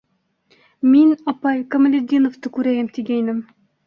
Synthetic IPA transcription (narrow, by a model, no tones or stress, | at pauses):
minɑpɑjkamlʲɪd̪ʲinoft̪ɤkʉɾæjæmt̪ʰiɡʲæjnɘm